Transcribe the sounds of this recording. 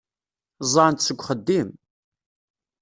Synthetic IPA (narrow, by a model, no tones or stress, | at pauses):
zˤɑnt̪səɡʷːχəd̪ːim